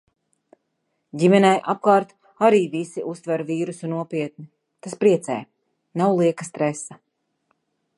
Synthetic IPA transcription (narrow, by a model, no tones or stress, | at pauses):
ɟʲimʲɛnɛjʔap̚kaːɾt̪ | aɾiːvisiʔust̪vɛɾviːɾusunuɔpʲiɛt̪̚ni | t̪aspɾiɛt̪sɛ̰j | nawlˠiɛkast̪ɾɛsa